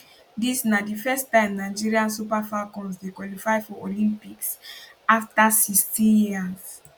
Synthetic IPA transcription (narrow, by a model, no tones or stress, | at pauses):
disnadifɛstãɪ̃mnaɪd͡ʒiɹiãnsupafakɔ̃nsdekwɔlifaɪfɔʔolĩmpiksaftasistĩnjiəs